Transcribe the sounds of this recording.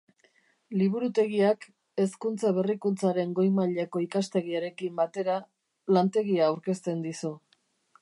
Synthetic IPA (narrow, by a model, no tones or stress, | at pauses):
liβ̞uɾut̪e̞ɣiak | e̞skunt͡saβe̞rikunt͡saɾe̞ŋɡo̞jmaʎeko̞ikast̪e̞ɣiaɾe̞kimbat̪e̞ɾa | lant̪e̞ɣiaːwɾke̞st̪e̞nd̪isu